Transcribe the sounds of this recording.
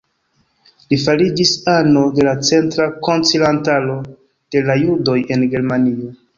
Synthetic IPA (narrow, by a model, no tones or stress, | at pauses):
lifaɾid͡ʒisanode̞lat͡se̞ntɾako̞nt͡silantalo̞ | d̥e̞lajudo̞je̞nɡe̞ɾmanio̞